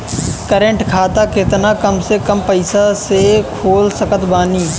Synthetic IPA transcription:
kəɾə̃ɳʈkʰaːt̪akɪt̪nakəmsekəmpəɪsasekʰoːlsəkət̪baːniː

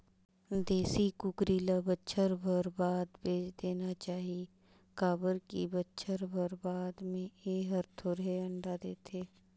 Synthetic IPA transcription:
d̪eːsikʊkɾiːlabətːʃʰəɾbʱəɾbaːd̪bʱeːd͡ʒd̪eːnat͡ʃaːɦie | kaːbəɾkḭbətːʃʰəɾbʱəɾbaːd̪mẽeːɦəɾt̪ʰoɾɦeɐ̃ɳɖad̪eːt̪ʰeː

